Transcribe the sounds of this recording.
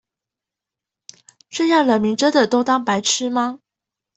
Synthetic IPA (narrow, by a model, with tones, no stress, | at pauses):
ʈ͡ʂə˥˧jɑ˥˩ŋlə˨˩mi˧˥ʈ͡ʂə˥d̪ə˨t̪o˥ʊt̪ɑ˥ŋpa˧˥ɪʈ͡ʂʰɻ̩˥ma˧